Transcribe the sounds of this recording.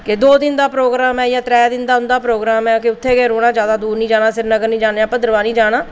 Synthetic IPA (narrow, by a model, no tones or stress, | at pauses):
kɪd̪oːd̪ɪnd̪aːpɾoːɡɾaːmɛːjaːt̪ɾɛːd̪ɪnd̪aːʊnd̪aːpɾoːɡɾaːmɛːkɪʊt̪ʰːeːkeːɾoːɽaːd͡ʒjaːd̪aːd̪uːɾnĩːd͡ʒaːnãːsɪɾnəɡəɾnĩːd͡ʒaːneãːpəd̪əɾʋaːnĩːd͡ʒaːɽaː